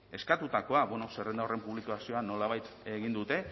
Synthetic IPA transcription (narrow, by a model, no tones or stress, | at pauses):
e̞skat̪ut̪ako̞aβonose̞re̞nd̪aore̞mpuβlikoasio̞ano̞laβajt̪eɣind̪ut̪e̞